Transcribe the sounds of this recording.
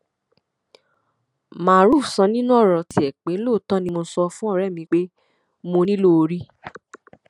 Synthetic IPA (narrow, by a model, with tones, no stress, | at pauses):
mã˨ɾu˦˨sɔ̃˧nĩ˦nũ˦ɔ˦˨ɾɔ˨ti˧˦ɛ˨k͡pe˨˦loː˦˨tɔ̃˦nĩ˧mo˧sɔ˧fũ˦ɔ˦˨ɾɛ˦˨mĩ˧k͡pe˦ | mo˧nĩ˦lo˦˧ɾi˦